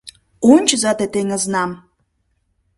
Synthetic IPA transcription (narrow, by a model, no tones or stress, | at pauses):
onʲt͡ɕəzɑt̪et̪eŋə̆znɑm